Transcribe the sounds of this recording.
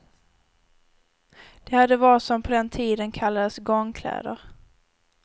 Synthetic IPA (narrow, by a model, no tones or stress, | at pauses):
d̪̥ɛhad̪ːəvɑːɾɪt̪sɔmpʰɔd̪ɛnt̪ʰiːd̪ənkʰalːad̪əsɡɔŋkʰlɛ̰ːd̪əɾ